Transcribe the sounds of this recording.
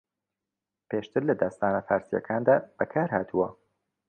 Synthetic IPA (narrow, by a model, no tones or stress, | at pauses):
pʰeːʃt̪ʰɨɾlɐd̪ɐst̪aːnɐfaːɾsijɐ̰kʰaːnd̪aːb̥ɐkʰaːɾhaːt̪ʰuwɐ